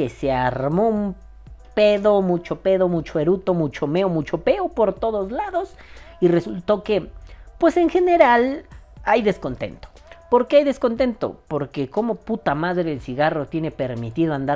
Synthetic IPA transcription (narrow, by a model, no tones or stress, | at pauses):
eseaɾmo̞um | pe̞ðomut͡ʃo̞pe̞ðo̞mut͡ʃoeɾut̪o̞mut͡ʃo̞meomut͡ʃo̞pe̞opo̞ɾt̪o̞ðozlaðo̞s | ire̞sult̪o̞ke̞pwe̞se̞ŋxe̞ne̞ɾalajðe̞sko̞nt̪e̞̰nt̪o̥ | po̞ɾkeajðe̞sko̞nt̪e̞nt̪o̰poɾke̞ko̞mo̞put̪amaðɾe̞ðelsiɣaro̞t̪je̞ne̞pe̞ɾmit̪iðoand̪a